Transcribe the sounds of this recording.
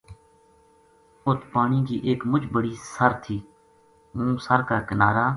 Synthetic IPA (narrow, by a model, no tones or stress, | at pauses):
ʊt̪ʰpaːɳiːkiːʔeːkmʊd͡ʒbəɽiːsəɾt̪ʰiː | mũːsəɾkaːkənaːɾaː